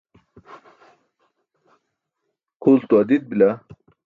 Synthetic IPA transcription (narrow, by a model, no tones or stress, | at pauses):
kʰoːlt̪uɐd̪id̪̚bila